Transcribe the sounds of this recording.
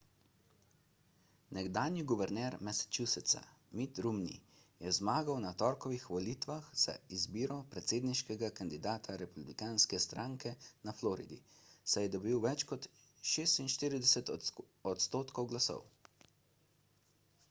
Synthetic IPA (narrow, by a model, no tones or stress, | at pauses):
nɛɡd̪aːnjiɡuʋɛɾnɛɾmɛsɛ̥t͡ʃusɛt̪sa̰ | mit̪ɾumnḭ | jɛzmaːɡawnat̪ɔːɾkɔʋixʋɔliːt̪ʋaxz̥a̰izbiːɾɔpɾɛt̪seːd̪niʃkɛɡakand̪id̪aːt̪ʰaɾɛpublikanskɛst̪ɾʔaːŋkɛnaflɔːɾḭd̪ḭ | sajɛd̪ɔbiwʋɛt͡ʃkɔt̪ | ʃeːst̪inʃt̪iːɾid̪ɛsɛt̪ | ɔt̪st̪oːt̪kɔwɡlasɔ̰w